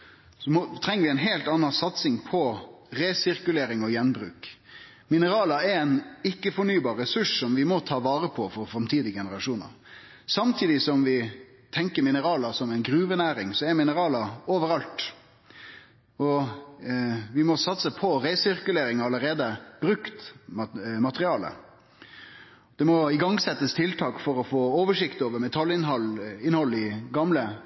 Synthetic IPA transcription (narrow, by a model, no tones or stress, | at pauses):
sɔmɔt̪ʰɾɛŋːəɾʋɪæɪnɦeːlt̪ɑːnːɑnsɑt̪sɪŋpʰɔɾeːsɪɾkʉleːɾɪŋɔjɛnbɾʉ̰ːk | mɪnəɾɑːlɑɛɾɛɪnɪkːəfɔɳyːbɑːɾːɛsʉʂsɔmʋɪmɔt̪ʰɑːʋɑːɾəpʰɔfɔɾfɾɑmt̪ʰiːd̪ɪɡɛnəɾɑʂuːnɑ̰ɾ | sɑmt̪ʰiːd̪ɪsɔmʋɪ | t̪ʰɛŋkəɾmɪnəɾɑːlɑsɔmɛɪnɡɾʉːʋənæːɾɪŋsɔɛɾmɪnəɾɑːlɑoːʋəɾɑlt̪ | ɔ | ʋɪmɔsɑt̪səpʰɔɾæɪsɪɾkʉleːɾɪŋɑləɾeːd̪əb̥ɾʉkt̪ | mɑt̪əɾɪɑːlə̰ | d̪̥ɛmɔɪɡɑŋsɛt̪ːəst̪ʰɪlt̪ʰɑːkfɔɾɔfoːoːʋəʂɪkt̪oːʋəɾmɛt̪ʰɑlːɪnɦɔlɪnhɔlːəɪɡɑmlə